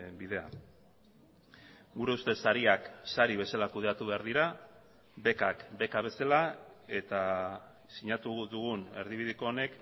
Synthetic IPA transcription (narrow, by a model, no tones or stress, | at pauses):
biðe̞a̰ | ɡuɾe̞ust̪e̞saɾiaksaɾiβe̞salakuð̞e̞at̪uβe̞aɾðiɾa | be̞kakbe̞kaβ̞e̞salae̞t̪a | siɲat̪uðuɣ̞une̞̰ɾðiβ̞iðiko̞ːne̞k